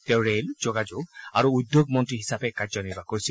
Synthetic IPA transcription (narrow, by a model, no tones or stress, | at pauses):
tɛʊ̃ɹelzɔɡad͡ʒoɡa̰ɹuud̪ːjoɡmɔntɹiɦisapɛkaɹzɔniɹbakoɹisil